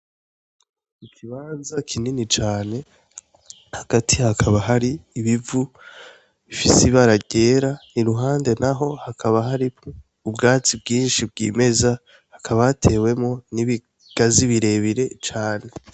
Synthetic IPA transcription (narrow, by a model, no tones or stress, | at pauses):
ikʰiβaːnzakʰininit͡ʃaːne̞ | haɡ̥atʰihakʰaβaɦaɾiːβivu | βifisiβaɾaɟe̞ːɾaniɾuɦaːnde̞naɦo̞hakʰaβaɦaɾi | ubɡaːt͡sib̚ɡiːnʃib̚ɡḭːme̞za | hakʰaβaatʰe̞ːwe̞mŋo̞niβi | ɡ̥aziβiɾe̞βiɾe̞t͡ʃaːne̞